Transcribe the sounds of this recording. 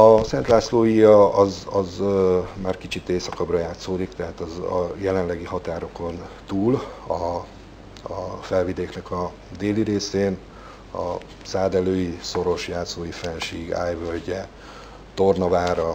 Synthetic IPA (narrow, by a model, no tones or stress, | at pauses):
ɒsɛnt̪laːsloːjiɒɒzɒzmaːrkit͡ʃit̪eːsɒkɒbrɒjaːt̪soːd̪ikt̪ɛɦat̪ɒzɒ̰jɛlɛnlɛɡihɒt̪aːɾo̞ko̞nt̪uːlɒ | fɛlvid̪eːknɛkɒ | d̪eːliɾeːseːn | ɒ̰ | saːd̪ɛløːjiso̞ɾo̞ʃjaːt̪soːjifɛnʃiːɡa̰ːjvølɟɛ | t̪o̞rnɒvaːɾɒ